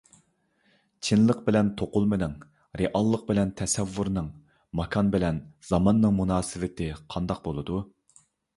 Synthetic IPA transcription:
t͡ʃʰinlˠəq̚bɪlɛnt̪ʰoqʊlˠmɪnɪŋ | ɾeʔɑlˠːəq̚bɪlɛnt̪ʰɛsɛvːuɾnɨŋ | mɑkʰɑnbɪlɛnz̥ɑmɑnːɨŋmunɑːsɪvɪt̪ʰɪqʰɑnd̪ɑq̚bolˠɨd̪u

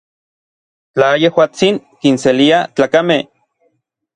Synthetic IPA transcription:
t͡ɬajehwaːt͡siŋkinseliat͡ɬaːkameh

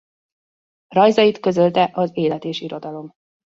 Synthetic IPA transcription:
rɒjzɒjit̪kø̞zø̞lt̪ɛʔɒzeːlɛt̪eːʃiɾo̞d̪ɒlo̞m

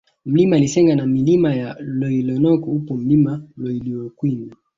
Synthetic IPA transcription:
m̩limalisɛŋɡanamilimajaloilɔnɔkɔupom̩limaloiliokwini

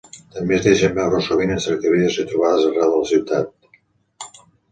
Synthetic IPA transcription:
t̪əmbezðeʃəmbɛwrosoβinənsəɾt̪iβɾiðəsit̪ɾuβaðəzərɛwðələsiwt̪at̪̚

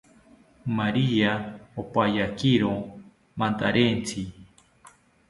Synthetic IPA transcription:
maɾiaopajakiɾo | mant̪aɾent͡sʰi

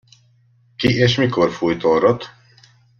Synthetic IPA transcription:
kiʔeːʃmikorfujt̪orot̪

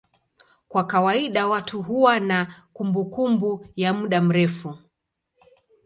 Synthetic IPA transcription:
kwakawaiɗawatʰuɦuwanakumbukumbujamuɗam̩ɾɛfu

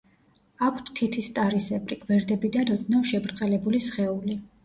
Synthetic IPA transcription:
akʰt̪t̪ʰːit̪ʰist̪ʼaɾisɛbʼɾiɡ̥vɛɾd̪ɛbid̪anɔd̪navʃɛbɾt̪ʼqʼɛlɛbulisχɛuli

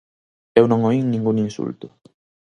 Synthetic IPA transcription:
ewnõŋoiŋnĩŋɡuŋinsṵlt̪ʊ

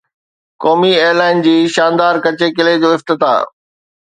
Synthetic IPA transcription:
kɔːmieːlaːɪnd͡ʑiːʃãːnd̪aːɾkɐt͡ɕekɪled͡ʑoːɪft̪ɪt̪a̰ː

